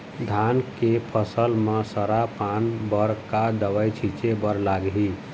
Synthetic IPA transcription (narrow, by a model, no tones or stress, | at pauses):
d̪ʱankepʰəsəlmesəɾapanbəɾkad̪əʋəjt͡ʃʰit͡ʃebəɾlaɡɦi